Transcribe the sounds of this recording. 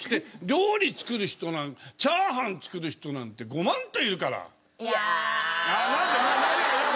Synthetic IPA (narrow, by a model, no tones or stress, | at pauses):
kʲi̥t̪e̞ɾʲoːɾʲit͡sɨ̥kɯ̟ɾɯ̟çi̥t̪o̞nãŋt͡ɕaːɦãnt͡sɨ̥kɯ̟ɾɯ̟çi̥t̪o̞nãnt̪e̞ɡo̞mãnt̪oiɯkaɾa̰ | nakamana